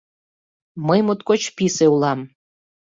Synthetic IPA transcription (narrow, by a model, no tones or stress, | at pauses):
məjmot̪kot͡ɕpiseulɑm